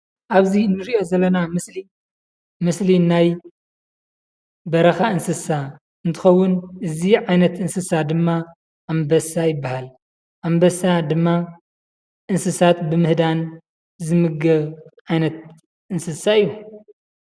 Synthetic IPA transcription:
ʔaβzinɨɾiʔo̞zɐlːɐnamɨsli | mɨslinaj | bɐɾɐxaɨnsɨsa | ɨnt̪ʰɨ̥xɐwːʊnʔɨziʕajnɐt̪ɨnsɨsad̪ɨmːa | ʔːmbɐsajɪbːahal | ʔambɐsad̪ɨmːa | ʔɨnsɨsat̪bɨmɨhd̪an | zɨmɨɡɐβʕajnɐt̪̚ | ʔɨnsɨsaɨjːu

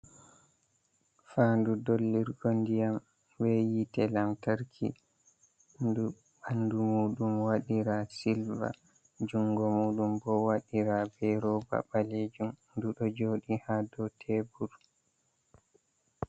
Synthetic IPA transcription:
faːndudolːiɾɡondijam | wɛjitɛlamtaɾkʰḭ | ndu | bandumuːɗumwaɗiɾasilva̰ | d͡ʒuŋɡɔmuːɗumbɔwaɗiɾabɛɾɔba̰baleːd͡ʒumnduɗɔd͡ʒoːɗihadɔtʰebuɾ

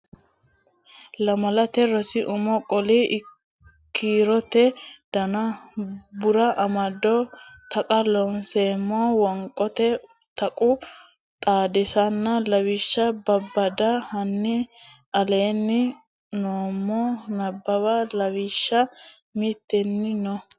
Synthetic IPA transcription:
lɐmɐlɐt̪ɛɾɔsɪʔʊmɔkʼɔlɪʔ | kːiːɾɔt̪ɛd̪̥ɐnɐ | bʊɾɐʔɐmɐd̪ɔt̪ɐkʼɐlɔnseːmːoːwɐŋkʼːɔt̪ɛ | t̪ɐkʼʊ | t̪ʼaːd̪ɛsɐnːɐlɐwiʃːɐbɐbːɐd̪ɐhɐnːɪ | ɐle̞ːnːɪ | noːmːɔnɐbːɐbɐlɐwiːʃːɐ | mit̪ːɛnːɪnɔ

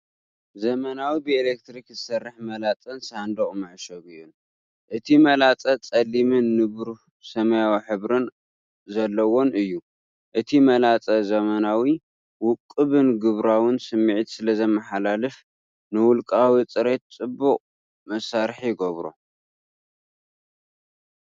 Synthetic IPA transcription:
zɐmɐnawibɨelek̚t̪ɾikzɨsɐrːɨħmɐlat͡sʼɐnsand̪ɐχʼmɐʕʃɐβɨjun | ʔɨt̪ʰimɐlat͡sʼɐt͡sʼɐlimɨnːɨβɾu | sɐmɐjawħɨβɾɨn | zɐlːɐwo̞nɨjːu | ʔɨt̪ʰimɐlat͡sʼɐzɐmɐnawi | wʊkʼːɨβɨnɡɨβɾawɨnsɨmːiʕt̪sɨlɐzɐmɐħalalɨf | nɨwʊlkʼawit͡sʼɨɾe̞t̪̚t͡sʼɨbːuqʼ | mɐsaɾħjɪɡɐβɾo̰

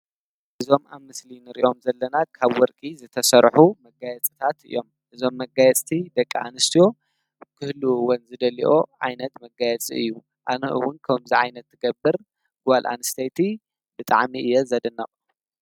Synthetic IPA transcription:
ʔɨzo̞mamːɨslinɨɾḭʔo̞mzɐlːɐnakʰaβwɔɾkʼizɨt̪ʰɐsɐɾħumɐɡajɛt͡sʼɨ̥t̪ʰat̪ɨ̰jːo̞m | ʔɨzo̞mːɐɡajɛt͡sʼt̪ʰid̪ɐkʼːianɨst̪ʰijo̞ | kʰɨhluwɔnzɨd̪ɐlḭʔo̞ʕa̰jnɐt̪mɐɡajɛt͡sʼiɨ̰jːu | ʔanɐʔɨ̰wʊnkʰɐmziʕajnɐt̪ːɨɡɐbːɨɾ | ɡ̥alʔa̰nɨst̪ʰejt̪ʰi | bɨt̪ʼa̰ʕmiʔɨjːɛzɐd̪ɨnːɐʔʼ

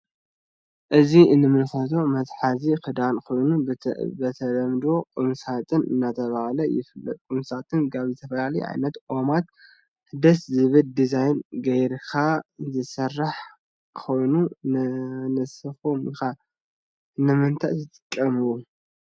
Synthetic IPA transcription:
ʔɨzinɨmɨnxɐt̪̬ʰo̞mɐt̪ħazikɨd̪ankʰo̞jnubɐt̪ʰɐlɐmd̪o̞kʼɨmsat̪ʰʼɨnɨ̰nːat̪ʰɐβahlɐjɪ̰fɨlːɐ̰t̪ʼkʼumsat̪ʰɨnkʰaβzɨt̪ʰɐfɐlalɐj̰ʕa̰jnɐt̪ʔo̞mat̪̚ | hɨd̪ɐszɨβɨld̪izajnɡɐjɾkʰazɨsɐrːaħ | kʰo̞jnu | nɨsɨxomixa | nɨmɨnt̪ʰa̰ʔt̪ʰɨt̪ʼɨ̥kʼːɐmɨwu

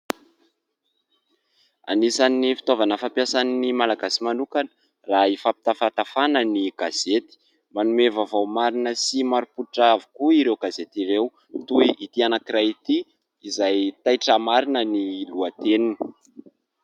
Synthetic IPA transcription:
a̰nisanifi̥t̪ovanəfampjasaninimalaɡasimanukan | raifapi̥t̪afat̪afanəniɡ̥az̥et̪i̥ | manumevavawmaɾinəsimaɾupuʈ͡ʂavu̥kuiɾewɡazet̪iɾew | t̪uiit̪ianakiɾajit̪i | izajt̪ajʈ͡ʂəmaɾinəniluat̪enini

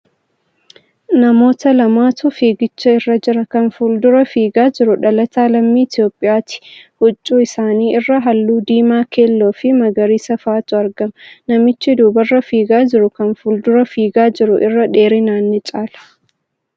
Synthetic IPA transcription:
nɐmo̞ːt̪ɐlɐmaːt̪ʊfiːɡɪt͡ʃːɐɪrːɐd͡ʒɪɾɐkɐnfʊld̪ʊɾɐfiːɡaːd͡ʒɪɾʊᶑɐlɐt̪aːlɐmːiːɪt̪ɪjo̞ːpʼːɪjaːt̪ɪ̥hʊt͡ʃʼːuːɪsaːniːʔɪrːɐɦɐlːuːd̪iːmaːke̞ːlːoːfɪmɐɡɐɾiːsɐfaːt̪ʊɐɾɡɐmnɐmɪt͡ʃːɪd̪uːbɐrːɐfiːɡaːd͡ʒɪɾʊkɐnfʊld̪ʊɾɐfiːɡaːd͡ʒɪɾʊʔɪrːɐᶑe̞ːɾɪnaːnːɪt͡ʃʼaːlɐ̥

